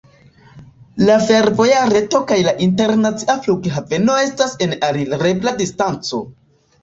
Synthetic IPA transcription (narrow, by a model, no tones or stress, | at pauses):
lafe̞ɾvo̞jaɾe̞to̞kajlaʔinte̞ɾnat͡siafluɡɦave̞no̞e̞stase̞naɾilɾe̞bladistant͡so̞̰